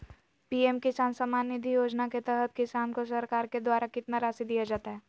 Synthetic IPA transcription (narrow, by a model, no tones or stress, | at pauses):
piemkɪsaːnsamaːnːɪd̪ʱijoːd͡ʒnaket̪ɛɦət̪̚kɪsaːnkosɐɾkaːɾked̪waːɾakɪt̪naɾaːsid̪ijad͡ʒaːt̪aɦɛː